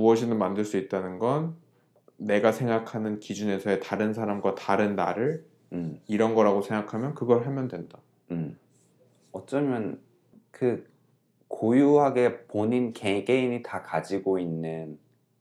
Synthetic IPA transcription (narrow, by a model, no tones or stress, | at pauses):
muʌɕʰinɯnmandɯɭs͈uit̚t͈anɯnɡʌnː | e̞ɡasʰe̞ŋɡakʰanɯnkid͡ʑune̞sʰʌe̞taɾɯns̬ʰaɾamɡwataɾɯnːa̰ɾɯɭ | iɾʌnɡʌɾaɡosʰe̞ŋɡakʰamjʌnkɯɡʌɭɦamjʌndwe̞nda | ɯm | ʌt͡ɕ͈ʌmjʌn | kɯ | kʰojuɦaɡe̞poɲinkekeinitakad͡ʑiɡoinːɯn